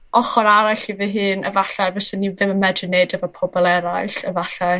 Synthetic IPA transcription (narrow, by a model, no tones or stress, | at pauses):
ɔχɔɾaɾaɬivɨɦɨːnə̰vaɬaɨvɔsənːivɪməmɛdrɨnedəvɔpʰɔbɔlˠɛɾajɬəvaɬaɨ